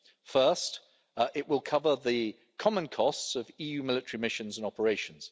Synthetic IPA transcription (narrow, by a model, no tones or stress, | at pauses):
fɜˑst | ʔɪʔwɪlˠkʰʌvəðə | kʰɒmə̃nkʰɒstsəviːjʉːmɪlɪtəɹimɪʃə̃nzə̃nɒpəɹeɪʃə̃nz̥